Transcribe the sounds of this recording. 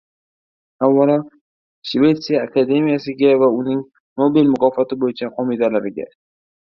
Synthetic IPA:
avːalɒ | ʃve̞t̪sijaːkʰad̪e̞mijasɪɡʲavaʊnɪŋ | nobilmʊqɒfat̪ɪbojɪt͡ʃʰaqʰɒmid̪alaɾɪɡʲa̰

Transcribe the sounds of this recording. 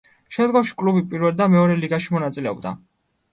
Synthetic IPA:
ʃɛmd̪ɡɔfʃi̥kʼlubipʼiɾvɛlˠd̪amɛɔɾɛliɡaʃimɔnat̪sʼilɛɔ̰bd̪a̰

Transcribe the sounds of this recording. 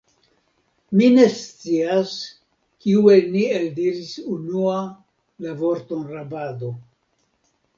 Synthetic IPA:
mine̞st͡sias | kiue̞lnieldiɾisunua | lavo̞ɾt̪o̞nɾabado̞

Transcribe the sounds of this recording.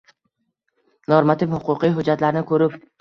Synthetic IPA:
noɾmat̪ʰɪfhʊqʰʊqijɦʊd͡ʒːat̪laɾnɪkʰɵɾɪp

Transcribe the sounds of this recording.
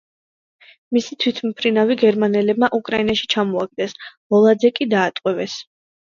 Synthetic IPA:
misit̪ʰwit̪ʰmpʰɾinaviɡɛɾmanɛlɛbmaʔukʼɾainaʃi̥t͡ʃʰamɔaɡ̚d̪ɛsmɔlˠad̪zɛkʼid̪aːt̪ʼqʼwɛvɛs

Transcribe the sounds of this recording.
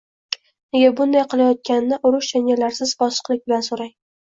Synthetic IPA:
neɡʲabʊnd̪ajqɨlˠajɒt̪̚kʲannːɪʔʊɾʊʃd͡ʒanʲalaɾsɪzbɒsqlˠɪk̚ʲbɪlansoɾaj

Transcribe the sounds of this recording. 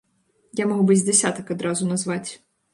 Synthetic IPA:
jamɔɦubɪzʲd̪esʲat̪ɐkɐd̪ɾɑzʊnɐzʋɑtʲ

